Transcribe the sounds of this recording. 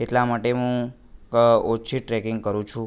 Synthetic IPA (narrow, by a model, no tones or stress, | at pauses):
eʈlamaʈeɦũ | ot͡ʃʰiʈɾɛkɪŋɡkəɾũt͡ʃʰũ